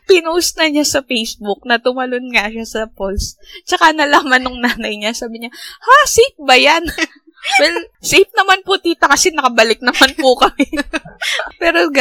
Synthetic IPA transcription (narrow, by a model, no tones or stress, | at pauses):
pɪnosnɐɲasɐfejsbʊk̚nɐt̪ʊmɐlonŋaʃasɐpolst͡ʃɐkanɐlaːmɐnoŋnaːnɐjɲasaːbɪɲahasip̚bɐjan | wɛlsip̚nɐmanpʊt̪iːt̪ɐkɐsɛnɐkɐbɐlɪk̚nɐmanpʊkɐmɛ | pɛːɾoɡ